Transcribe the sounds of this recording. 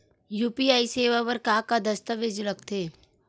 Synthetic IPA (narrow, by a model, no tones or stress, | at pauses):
juːpiaːiseːʋaʋəɾkaːkad̪ɐst̪əʋeːd͡ʒɾɐkt̪ʰeː